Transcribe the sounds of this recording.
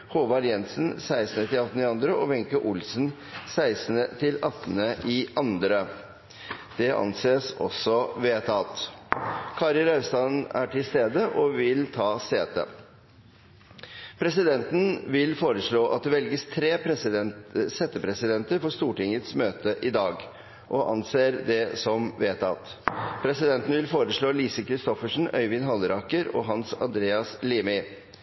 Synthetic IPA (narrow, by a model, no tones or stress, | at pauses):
hoːʋɑɾjɛnsn̩sæɪsnət̪ɪlɑt̪ːn̩əɪɑnd̪ɾəʔɔʋɛŋkəʔʊlsn̩ | sæɪsnət̪ʰɪlɑt̪ːənəʔɪʔɑnd̪ɾə | d̪̥ɛʔɑ̰nseːsɔ̰sɔʋeːt̪ʰɑːt̪ | kʰɑɾɪlɑst̪ɑnæ̰ʈʰɪlst̪eːd̪əʔɔʋɪlt̪ʰɑːseːt̪ə̰ | pʰɾɛsɪd̪ɛnt̪n̩ʋɪlfoːɾəʂɭoːʔɑ̰t̪̚d̪ɛʋɛlɡəst̪ʰɾeːpʰɾɛsɛsɛːt̪əpʰɾɛsɪd̪ɛnt̪əɾfɔʂt̪uːʈɪŋət̪smøːt̪əʔɪd̪ɑːɡ | ʔɔʔɑ̰nseːɾd̪ɛsɔmʋeːt̪ʰɑ̰t̪ | pʰɾɛsɪd̪ɛnt̪n̩ʋɪlfoːɾəʂɭoːliːsəkʰɾɪst̪ɔfəʂn̩œ̰ʏʋɪnɦɑlːəɾɑkəɾɔ̰ɦɑnsɑ̰nd̪ɾeːɑsliːmɪ